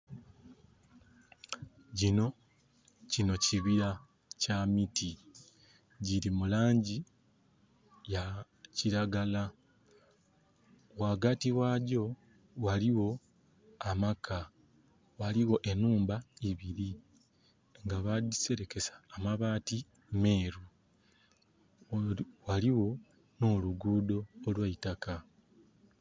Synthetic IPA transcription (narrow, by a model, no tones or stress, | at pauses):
ɟino̞ | cino̞ciβiɾa | camiti | ɟiɾimulaːɲɟi | ja | ciɾaɡala | waːɡatiwaːɟo̞ | waliwo̞ | amakʰa | waliwo̞ʔe̞nuːmbaiβiɾi | ŋɡaβadise̞ɾe̞ke̞sḁːmaβaːti | me̞ːɾu | waliwo̞ | no̞ːluɡuːdo̞ːlwaitaka